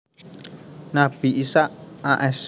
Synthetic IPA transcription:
nab̥iʔisaʔaʔɛs

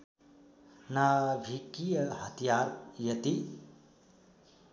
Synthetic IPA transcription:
nabʱikijɐɦət̪ijaɾjət̪i

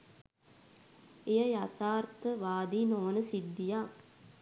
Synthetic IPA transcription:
ejəjat̪aːrt̪əʋaːd̪iːnoʋənəsid̪ːija

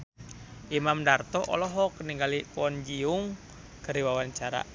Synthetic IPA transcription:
ʔimamdart̪ɔʔɔ̰lɔɦɔkniŋɡalikuɔnd͡ʒiuŋ | kəɾiwawaɲt͡ʃaɾa̰

